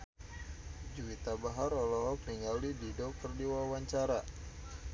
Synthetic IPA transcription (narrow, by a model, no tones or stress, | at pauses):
d͡ʒuwit̪abaɦaɾɔlɔɦɔkniŋalididɔkərdiwawaɲt͡ʃaɾa